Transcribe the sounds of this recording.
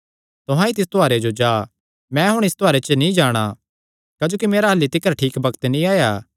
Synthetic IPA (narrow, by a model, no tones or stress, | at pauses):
t̪ʊɦãit̪ɪst̪ʰoaːɾed͡ʒod͡ʒaː | mɛ̃ɦʊɽ̃ɪst̪ʰoaːɾet͡ʃənĩd͡ʒaːɽ̃a | kaːd͡ʒoːkimeːɾaɦɐlːit̪ɪkːəɾʈʰiːkbɐkt̪nĩaːjaː